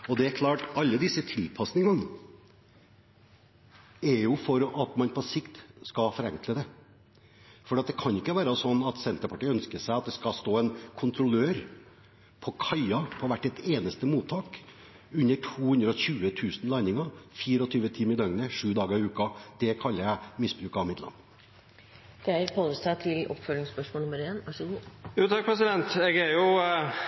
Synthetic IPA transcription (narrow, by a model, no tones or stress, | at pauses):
ɔd̪ɛæɾkʰlɑːʈɑlːəd̪ɪsːət̪ʰɪlpʰɑsnɪŋɑn | ɛɾjʊfɔɾʔɑt̪mɑnpʰɔsɪkt̪skɑfɔɾɛŋkləd̪ɛ | fɔɖɛːɑt̪̚d̪ɛkʰɑnɪkːəʋæːɾɑsɔnːɑt̪sɛnt̪əɾpʰɑʈiːœnskəsæɪɑt̪̚d̪ɛskɑst̪oːɛnkʰʊnt̪ʰɾʊløːɾ | pʰɔkʰɑɪɑpʰɔʋæʈːɛt̪eːnəst̪əmuːt̪ʰːɑːk | ʉnːəʈʰuːhʉnd̪ɾəɔçʉːət̪ʰʉːsnlɑɪnɪŋɑfiːɾəɔt̪ʰyːʋət̪ʰimɪd̪ɑŋənəʂʉːd̪ɑːɡəɾɪʉːkɑd̪̥ɛkʰɑlːəæmɪsbɾʉːkɑʋmɪt̪lɑ̰nː | d̪̥ɛæɾpʰoːəst̪ɑt̪ʰɪlʔɔ̰pfœlɪŋspœʂmoɔːlʊmːəɾeːnʋɑʂəɡuːjuːt̪ʰɑk̚pʰɾɛsɪd̪ɛnt̪ɛɡæɾjʊ